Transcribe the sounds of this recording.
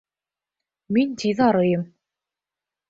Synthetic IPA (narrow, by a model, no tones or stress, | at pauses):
mint̪ʰʲiðɑɾɤjɤm